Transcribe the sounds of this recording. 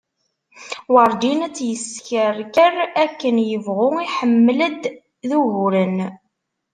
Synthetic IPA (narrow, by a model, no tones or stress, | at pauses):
wəɾˤd͡ʒinæt͡sːjəskəɾkərækːənjəvʁʊiħəmːləd̪ | ðuɦʊɾən